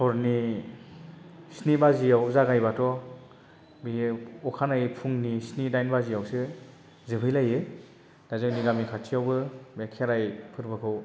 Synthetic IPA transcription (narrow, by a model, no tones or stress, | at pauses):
sɔɾni | snibazijawzaɡajbatʰɔ | biɔkʰanajpʰuŋnisnidajnbazijawsɯ | zɯbʰɯjlajɯ | d̥azɯŋniɡamikʰatʰijawbɯbekʰeɾajpʰɯɾbɯkʰɯw